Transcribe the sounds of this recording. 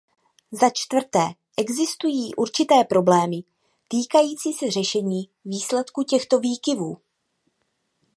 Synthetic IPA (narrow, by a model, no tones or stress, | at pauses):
zat͡ʃt̪vr̩t̪ɛː | ʔɛɡzɪst̪ujiːʔuɾt͡ʃɪt̪ɛːpɾo̞blɛːmɪ | t̪iːkajiːt͡siːsɛr̝ɛʃɛɲiː | viːslɛt̪kucɛxt̪o̞viːkɪvuː